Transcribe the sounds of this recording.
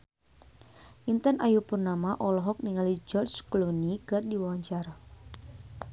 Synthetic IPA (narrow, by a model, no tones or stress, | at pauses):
ʔint̪anʔajupurnamaʔɔlɔɦɔk̚niŋalid͡ʒɔrt͡ʃklunikɨrdiwawaɲt͡ʃara